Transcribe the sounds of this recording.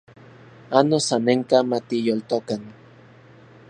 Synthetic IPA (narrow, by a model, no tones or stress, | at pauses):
anosaneŋkamat̪ijolt̪okan